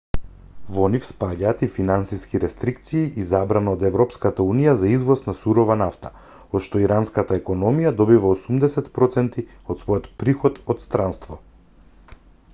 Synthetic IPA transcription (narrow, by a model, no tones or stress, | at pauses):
vɔnifspaɟaːt̪ifinansiskiɾɛst̪ɾikt̪siːʔizabɾanaod̪ɛvɾɔpskat̪aunijazaizvɔsnasuɾɔvanaft̪ḁ | ɔt̪ʃt̪ɔiɾanskat̪aɛkɔnɔmijad̪ɔbivaosumd̪ɛsɛt̪pɾɔt̪sɛnt̪i | ɔt̪svɔjɔt̪pɾixɔt̪ɔt̪st̪ɾanst̪vɔ